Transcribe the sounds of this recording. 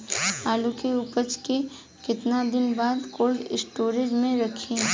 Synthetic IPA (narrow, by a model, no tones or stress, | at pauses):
aːlukeʊpət͡ʃke | kɪt̪nad̪ɪnbaːd̪koːlɖɪsʈoːɾed͡ʒmẽɾɐkʰĩ